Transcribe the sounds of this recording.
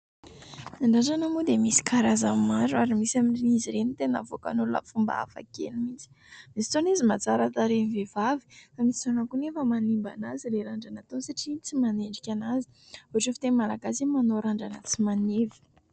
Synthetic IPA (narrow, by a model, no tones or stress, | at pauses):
aɳɖ͡ʐaɳɖ͡ʐanamud̪emisi̥kaɾazammaɾuaɾimisaminiziɾenit̪ena̰voka̰nuluna̰fumba̰a̰fa̰kḛnimit͡si̥ | misi̥t͡sonizimat͡saɾat̪aɾenvevavi̥famisizonakunefəmanimba̰nazileɾaɳɖ͡ʐanat̪onsaʈ͡ʂit͡simaneɳɖ͡ʐikʲanazi̥ | uaʈ͡ʂefit̪enmalaɡasimanoɾaɳɖ͡ʐanət͡simanevi̥